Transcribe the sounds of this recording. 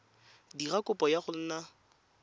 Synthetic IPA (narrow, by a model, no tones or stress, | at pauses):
dirakʼʊpʼɔjaχʊl̩na